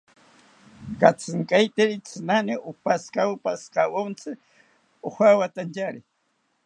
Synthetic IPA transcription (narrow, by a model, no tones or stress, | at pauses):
kat͡sɨŋkʼajt̪eɾɪt͡sɨnanɪʔʊpaskaʊpasqawont͡sɨ | ʊxʷawat̪ant͡ʃaɾɪ